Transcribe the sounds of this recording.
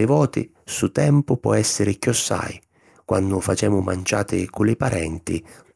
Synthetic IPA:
ɪvɔːt̪ɪ̰ | sut̪ɛmpʊpwɔ̰ɛsːɪɾɪkiɔsːa̰j | kwanːʊfat͡ʃɛːmʊma̰nt͡ʃaːt̪ɪ̰kʊlɪpaɾʔɛnt̪ɪ

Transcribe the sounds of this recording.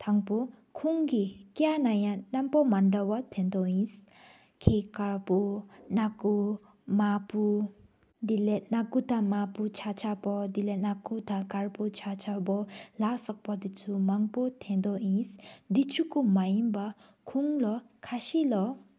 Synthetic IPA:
t̪ʰaŋpɔ | kʰuŋɡikjanajanampɔmanɖɔwat̪ʰẽnd̪ɔĩs | kʰekaɹpunaku | mapu | d̪ilenakut̪ʰamaput͡ʃʰat͡ʃʰabɔd̪ilenakut̪ʰakaɹput͡ʃʰat͡ʃʰabɔlasɔk̚pɔd̪it͡sʰumaŋpɔt̪ʰẽnd̪ɔĩsd̪it͡ʃʰukumajimba | kʰuŋlɔkʰasilɔ

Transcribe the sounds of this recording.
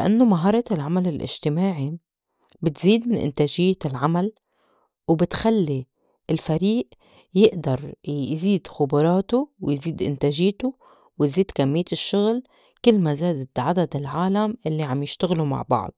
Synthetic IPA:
laʔanːomaɦɑːɾˤɑlʕamalɪlʔɪ̰ʒt̪ɪmaːʕi | bɪt̪ziːd̪mɪnʔɪ̰nt̪aːʒɪjːlʕamal | wbɪt̪xalːi | ɪlfaɾiːʔ | jɪʔd̪ɑɾˤziːd̪xʊbɑɾˤɑːt̪uwjziːd̪ʔɪ̰nt̪aːʒɪjt̪ʊ | wɪjziːd̪kamːɪjːt̪ɪʃːʊɣl | kɪlːmazaːd̪t̪ʕad̪ad̪ɪlʕaːlamʔɪlːiʕamjɪʃt̪aɣluma̰ʕbɑ̰ʕd̪̥̚ˤ

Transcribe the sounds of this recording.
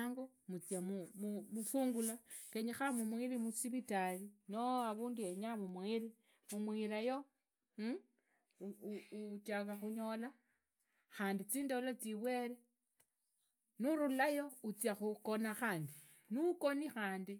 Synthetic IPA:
ŋɡo | mut͡sjamumumufuːŋɡulakeɲixamumwiɾimusiβitalinoaβuːndueɲamumwiɾi | mumwiɾajo̞ | uut͡ʃakaxuɲo̞la | xaːndit͡siːndolat͡siβwe̞ɾe | nuɾulajo̞ut͡sjaxukonaxaːndi | nukonixaːndi

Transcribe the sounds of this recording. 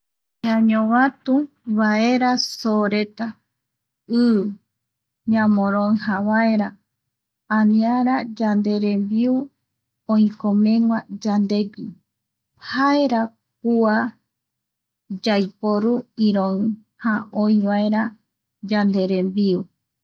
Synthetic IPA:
ɲaɲõβat̪ũ | βaeɾasoɾe̞t̪a | ɨ | ɲãmõɾõɨ̃hãβae̞ɾa | ãnĩaɾad͡ʒand̪e̞ɾembiu | õĩkõmẽŋʷad͡ʒand̪e̞ɡɨ | haeɾa | k̚ua | d͡ʒajpoɾuiɾõ | haoĩβaeɾa | d͡ʒand̪e̞ɾẽmbiu

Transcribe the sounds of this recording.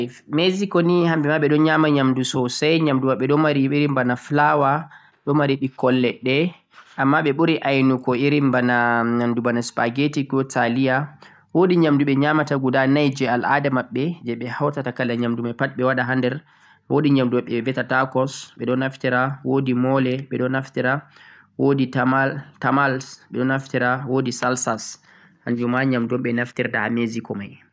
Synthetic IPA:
fmezikɔnihambɛmaɓɛɗɔnɲamaɲamdusɔsajɲamdumaɓɛɗɔmaɾiiɾimbanaflawa | ɗɔmaɾiɗikɔlːɛɗɛ | ʔamːaɓɛɓuɾiʔajnukɔiɾimbanaɲamdubanaspaɡetiɡɔtʰalija | woɗiɲamduɓɛɲamataɡudanajd͡ʒɛalʔa̰damaɓːɛd͡ʒɛɓɛhawtatakalːaɲamdumajpat̚ɓɛwaɗaɦandɛɾ | woɗiɲamduaɓɛvɛtatakɔsɓɛɗɔnaftiɾawodimɔlɛɓɛɗɔnaftiɾa | wodiamtamalsɓɛɗɔnaftiɾawodisalsas | haɲd͡ʒumaɲamdɔmɓɛnaftiɾdaamezikɔmaj

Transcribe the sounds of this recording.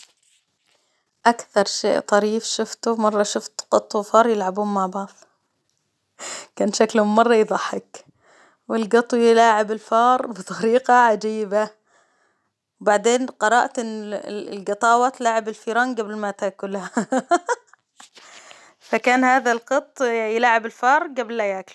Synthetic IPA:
ʔakθɑɾˤʃḛːʔt̪ˤɑɾiːfʃʊft̪ʊmɑrˤːɑʃʊft̪qɑt̪ˤːufɑːɾˤjɪlʕabuːnmaʕbɑʕðˤ | kaːnʃaklhʊmːɑrˤːɑjðˤɑħːɪk | wɪlɡɑt̪ˤwjɪlaːʕɪbɪlfɑːɾˤbɪt̪ˤʰɑɾiːqɑʕad͡ʒiːba | wbaʕd̪eːnqɑɾˤɑʔt̪ɪnlɡɨt̪ˤɑːwɑt̪laːʕɪbɪlfiːɾɑːnɡablmat̪aːkʊlha | fakaːnhaːðalqɨt̪ˤːjɪlaːʕɪbɪlfɑːɾˤɡablːajaːkl

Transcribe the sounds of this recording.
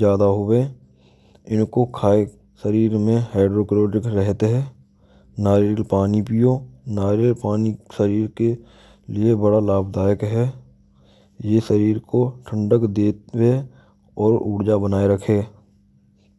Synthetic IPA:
d͡ʒjaːd̪aɦʊwe | ɪnkokʰaːe | səɾiːɾmẽɦaːɖɾoːkɾoːʈɪkɾɛɦt̪eɦɛː | naːɾilpaːnipijõnaːɾilpaːnisəɾiːɾke | liebəɽalaːbd̪aːjəkɦɛː | jesəɾiːɾkoʈʰə̃ɳɖəkd̪eːwe | ɔːɾuːɽd͡ʒabənaːeɾəkʰeː

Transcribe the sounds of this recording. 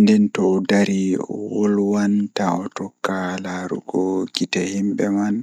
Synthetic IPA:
ndɛntɔːdaɾiɔwɔlwantaɔtɔkːalaɾṵɡɔɡitahimɓɛman

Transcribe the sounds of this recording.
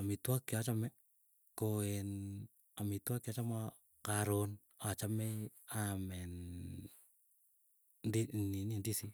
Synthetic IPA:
amitwakːjat͡ʃamɛ | koen | amitwakjat͡ʃama | kaɾon | at͡ʃamɛamɛn | dininindisi

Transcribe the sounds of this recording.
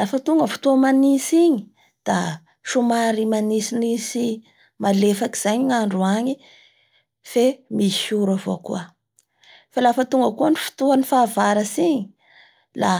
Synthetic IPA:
lafət̪uŋɡəfu̥t̪uəmanisiɲi | d̪̥a | ʃumaɾimanisinisi | malefaki̥z̥ajɲiaɳɖ͡ʐuaɲi | femishuɾavo̰kṵə | falafət̪uŋɡəkuənifi̥t̪uanifaːvaɾasiɲi | la

